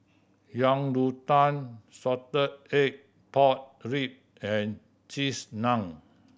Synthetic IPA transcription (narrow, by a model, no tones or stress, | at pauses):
jãŋdut̪ãnsɔtəd̚ek̚ | pɔt̚ɹip̚ | ɛ̃n | t͡ʃisnãŋ